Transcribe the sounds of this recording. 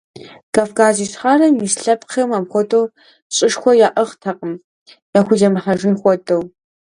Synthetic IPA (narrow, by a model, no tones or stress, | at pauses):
kaːfkʰaːziːɕχaːrɐmiːsɬɐpqɐmaːmxʷɔtʰʼow | ɕʼɪʂxʷɔjaːʔɐʁtʰɐqʼəm | jaːxʷʊʒɐmɨħɐʒɨnxʷɔtʰʼɐw